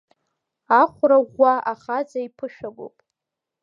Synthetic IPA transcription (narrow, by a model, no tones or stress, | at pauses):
aχʷraʁʷːaʔaχad͡zaipʰɨʃᶣaɡʷo̰pʼ